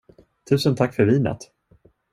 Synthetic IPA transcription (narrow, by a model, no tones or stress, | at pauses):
t̪ʰʉ̟ːsənt̪ʰakːfœɾviːna̰t̪